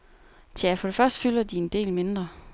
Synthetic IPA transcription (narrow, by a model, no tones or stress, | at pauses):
t͡sʰæfɒ̽ɾ̥efɶɐsd̥ə̥fylɐd̥iend̥e̝̰ːlme̝nd̥ʁɐ